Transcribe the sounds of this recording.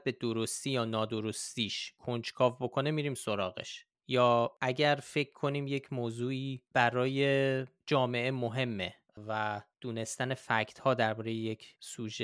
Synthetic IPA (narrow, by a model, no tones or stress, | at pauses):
be̞d̪oɾost̪iːjɒːnɒːd̪o̞ɾost̪iːʃkʰo̞nd͡ʒkʰɒːvbo̞kʰo̞nemiːɾiːmso̞ɾɒːɣe̞̰ʃ | jɒːʔæɟæɾfe̞cʰkʰːo̞niːmje̞cʰmoːzuːiːb̥æɾɒːje̞d͡ʒɒːme̞ʔe̞moɦe̞mːe | væd̪̥uːne̞st̪æne̞fæcʰt̪hɒːd̪æɾbɒːɾe̞jeje̞cʰsuːʒe